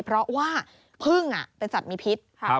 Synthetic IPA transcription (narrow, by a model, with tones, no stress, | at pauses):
pʰɾɔ˦˥waː˥˩ | pʰɯ˥˩ŋʔa̰˨˩pe˧nsa˨˩t̪̚miː˧pʰi˦˥t̪̚